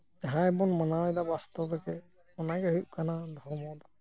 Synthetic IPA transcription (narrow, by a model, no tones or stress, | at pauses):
d͡ʒaɦãjbɔnmanawɛd̪abast̪ɔbɛkɛ | ɔnaɡɛɦujʔ̚kanad̪ʱɔɾmɔd̪ɔ